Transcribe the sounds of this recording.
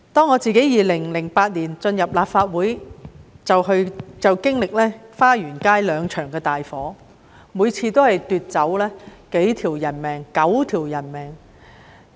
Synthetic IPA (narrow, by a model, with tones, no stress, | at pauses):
t̪ɔː˥ŋːɔː˨˧t͡siː˨ke˨˥jiː˨lɪ˨˩ŋlɪ˨˩ŋpaː˧t̚liː˨˩nt͡sɵ˧njɐ˨p̚laː˨p̚faː˧t̚wuː˨˥j | t͡sɐ˨wɦɵ˧ɥt͡sɐ˨wkɪ˥ŋlɪ˨k̚lɛː˥faː˥jyː˨˩nkaː˥jlœː˨˧ŋt͡ʃʰœː˨˩ŋkɛː˧t̪aː˨jfɔː˨˥ | muː˨˧jt͡sʰiː˧t̪o˥whɐ˨jt̪yː˨t̚t͡sɐ˨˥wlɛː˥ke˨˥jt̪ʰiː˨˩wjɐ˨˩nmɛː˨˩ŋkɐ˨˥wt̪ʰiː˨˩wjɐ˨˩nmɛː˨ŋ